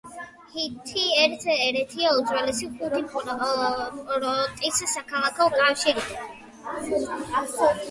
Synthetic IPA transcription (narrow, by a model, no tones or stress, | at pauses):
hit̪ʰiɛɾt̪ʰɛɾɛt̪ʰiaud̪zʼwalɛsiχud̪ip | ɾɔt̪ʼissakʰalˠakʰɔkʼafʃiɾid̪a